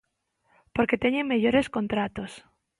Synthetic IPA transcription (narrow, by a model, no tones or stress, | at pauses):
poɾket̪eɲeŋmeʝoɾeskont̪ɾat̪os